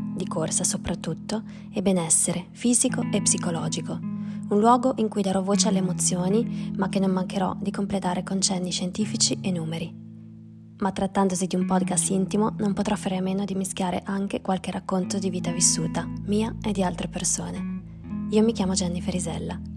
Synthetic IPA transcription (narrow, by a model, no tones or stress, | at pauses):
d̪ikorsasopɾat̪ːut̪ːo | ebenɛsːeɾefiːzikoepsikolɔːd͡ʒikounlwɔːɡoʔiŋkujd̪aɾɔvoːt͡ʃealːeːmot̪sːjoːnimak̟ːenːomːaŋkeɾɔ̰d̪ikomplet̪aːɾekont͡ʃɛnːiʃent̪iːfit͡ʃienːuːmeɾi | mat̪ːɾat̪ːand̪ozid̪iumpɔd̪kast̪int̪imonompot̪ɾʔɔfːaːɾeamːeːnod̪imiskjaːɾeʔaŋk̟ekwalk̟erakːont̪od̪iviːt̪avisːuːt̪amiːaed̪ːialt̪ɾepersoːne | iːomikʲjaːmod͡ʒanːifeɾizɛ̰lːa